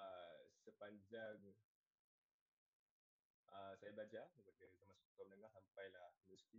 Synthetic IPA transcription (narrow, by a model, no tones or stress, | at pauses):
asəpaɲd͡ʒaŋ | ʔasajablad͡ʒanəpakazamãnsut̪ɔmənəŋahampajlahnusk̪i